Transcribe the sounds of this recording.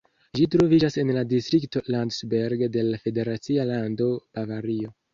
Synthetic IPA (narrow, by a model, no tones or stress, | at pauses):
ʒitɾo̞vid͡ʒase̞nladistɾikto̞landsbeɾɡde̞lafe̞de̞ɾat͡sialando̞b̥avaɾio̞